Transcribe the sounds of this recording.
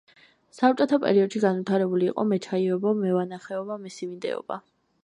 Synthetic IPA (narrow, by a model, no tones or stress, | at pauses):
sapt͡ʃʼɛt̪ʰɔpʼɛ̰ɾiɔd̪ʃiɡanvit̪ʰaɾɛbuliːqʼɔ̰mɛt͡ʃʰaiɔbɔmɛvanaχɛɔbamisivind̪ɛ̰ɔ̰ba̰